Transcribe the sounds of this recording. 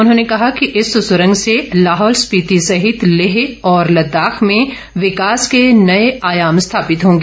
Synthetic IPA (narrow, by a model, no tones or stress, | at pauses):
ʊnɦõːnekɐɦakiʔɪsːʊsʊɾə̃ŋɡselaːɦɔːlspiːt̪isɐɦɪt̪lɪɦeɔːɾlɐd̪ːaːxmẽ | ʋɪkaːskenɐeaːjaːmst̪ʰaːpɪt̪ɦõːŋɡeː